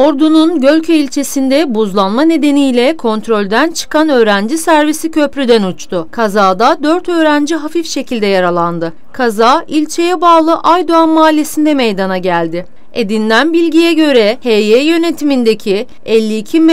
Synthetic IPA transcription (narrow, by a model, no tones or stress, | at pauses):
o̞ɾd̪ununɟø̞lʲcʰyilʲt͡ʃʰe̞sind̪ɛbuzlˠanmane̞d̪e̞nijlʲɛkʰo̞nt̪ɾo̞lʲd̪ænt͡ʃʰɯ̥kʰanø̞ːɾænd͡ʒisæɾvisicʰø̞pɾyd̪ænut͡ʃt̪ʰʊkʰazaːd̪ad̪øɾt̪ʰø̞ːɾænd͡ʒiɦafifʃe̞cʰilʲd̪ɛjaɾalˠand̪ɯ | kʰazaːilʲt͡ʃʰe̞jɛbaːlˠɯʔajd̪oanmaːlʲːe̞sind̪ɛmejd̪anaɟælʲd̪ɪ | ḛd̪ind̪ænbilʲɟijɛɟø̞ɾɛhejejø̞ne̞t̪ʰimind̪e̞cʰi | ɛlʲːiːcʰim